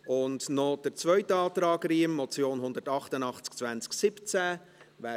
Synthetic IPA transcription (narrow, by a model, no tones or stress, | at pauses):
ʊndnɔd̥əɾt͡svœʏtɑːt̪ɾɑːɡɾiːəmːɔt͡sjoːnɦʊnd̪əɾtɑχtənɑχt͡sk̚t͡svænt͡sksɪpt͡sæ | væː